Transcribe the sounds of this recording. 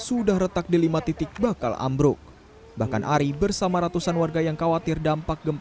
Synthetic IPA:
sudahɾət̪ak̚dilimat̪it̪ɪk̚bakala̰mbɾʊk̚ | bahkanʔaɾibərsamaɾat̪usanwarɡajaŋkawat̪ɪrdampak̚ɡəmp

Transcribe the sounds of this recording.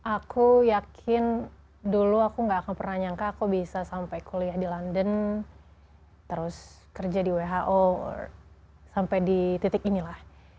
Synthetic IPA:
ʔakʰujakʰɪn | duluakuŋɡaːkanpərnaɲaŋkaːkubisasampajkʰuliahdilandən | t̪əɾʊs | kərd͡ʒadiweɦaʔo | sampajdit̪it̪ɪkinilah

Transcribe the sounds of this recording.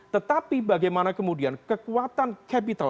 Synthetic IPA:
t̪ət̪apibaɡajmanakəmudiankəkuat̪ankʰɛpit̪a

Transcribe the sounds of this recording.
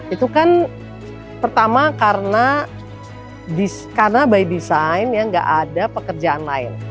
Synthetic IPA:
it̪ukan | pərt̪amakarəna | diskaɾənabaidisaɪnjaŋɡa̰ʔadapəkərd͡ʒaanla̰ɪ̰n

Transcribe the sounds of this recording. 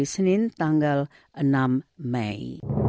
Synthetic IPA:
isənint̪ãŋɡəl | ənammɛ̰j

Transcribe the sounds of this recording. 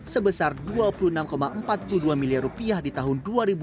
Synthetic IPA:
səbəsarduapuluənamkomaʔəmpat̪̚puluduamiliarupiahdit̪aɦʊnduaɾibu

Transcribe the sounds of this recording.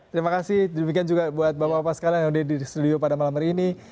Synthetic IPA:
t̪əɾimakasɪhddəmikiand͡ʒuɡabuat̪̚bapaapasə̥kalaŋaudɛdist̪udiopadamalaməɾini

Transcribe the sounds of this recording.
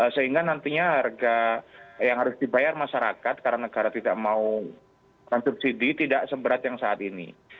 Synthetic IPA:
əsəɦiŋɡanant̪iɲaarɡajaŋɦaɾʊsdibajarmaʃaɾakat̪̚kaɾanəɡaɾat̪idaʔmau | mansup̚sidit̪idaʔsəbəɾat̪jaŋsaːt̪inḭ

